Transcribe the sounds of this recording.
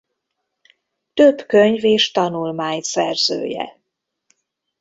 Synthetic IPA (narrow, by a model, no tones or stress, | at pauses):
t̪øbkøɲveːʃt̪ɒnulmaːɲsɛrzø̰ːjɛ̰